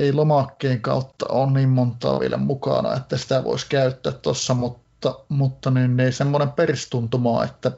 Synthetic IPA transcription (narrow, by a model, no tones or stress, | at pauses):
eˑilomɑkːeːŋkɑˑut̪ːɑ̰oːnniːmmont̪ˑɑ̰ːʋiḛlæ̰mmukɑ̰nɑ̰et̪ːæsi̥t̪æʋo̰ˑeskæyt̪ːˑæːt̪t̪ɑsːɑmut̪ːɑmut̪ːɑninneˑisemːonemperst̪unt̪umɑḛt̪ːæ